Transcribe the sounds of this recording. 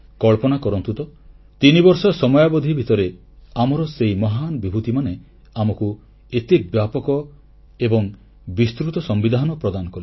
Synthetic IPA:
kɔɭpɔnakɔɾɔnt̪ut̪ɔ | t̪inibɔɾsɔsɔmɔjabɔd̪ʱibʱit̪ɔɾe | amɔɾɔseimɔɦanɔbibʱut̪imane | amɔku | et̪ibjapɔkɔ | ebɔŋ | bist̪ɾut̪ɔsɔmbid̪ʱaɦnɔpɾɔd̪anɔkɔli

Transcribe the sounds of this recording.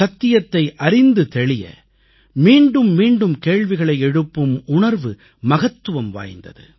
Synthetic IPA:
ɐt̪ːɪjɐt̪ːɐɪʔɐɾɪnd̪ɯt̪ɛɭɪjɐ̰ | miːɳɖɯmːiːɳɖɯmkeːɻʋɪɣɐɭɐɪɛɽɯpːɯmʊɳɐɾʋɯ | mɐɣɐt̪ːɯʋɐmʋa̰ːjnd̪ɐ̰ðɯ̰

